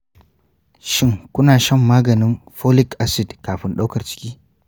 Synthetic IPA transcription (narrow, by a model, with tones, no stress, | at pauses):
ʃɪ˦ŋkʷʊ˦naː˨ʃɐ˦˨mːaː˦ɡɐ˨nɪ˦mɸoː˦lɪ˦kʔa˦sɪ˨dkaː˨ɸɪ˦nɗa˦wkɐ˨rt͡ʃɪ̥˦kʲiː˦